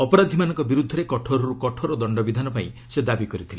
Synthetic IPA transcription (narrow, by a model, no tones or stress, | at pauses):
ɔpɔɾad̪ʱimanɔŋkɔbiɾud̪ʱːɔɾekɔʈʰoɾɔɾukɔʈʰoɾɔd̪ɔɳɖɔbid̪ʱanɔpaĩ | sed̪abikɔɾit̪ʰile